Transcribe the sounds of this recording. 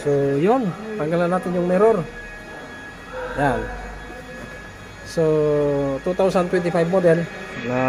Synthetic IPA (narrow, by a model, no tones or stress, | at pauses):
sojɔŋpaŋɡalanat̪iɲɔŋmɛɾɔr | ja | so | t̪ut̪ausant̪wɛnt̪ifajfmɔdɛlna